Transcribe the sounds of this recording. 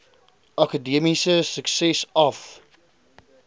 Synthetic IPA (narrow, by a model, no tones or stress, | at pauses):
ʔɐkədiəmisəsəksɛsɐf